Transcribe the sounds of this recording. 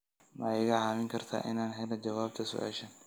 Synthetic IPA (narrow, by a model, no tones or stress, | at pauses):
mɐjɣɐʕaːmɪŋkʰɐrt̪ʰa̰ːʔɪnaːnɦɛlɐt͡ʃɐwaːb̚t̪ʰɐsʊ̰ʔa̰ːʃɐn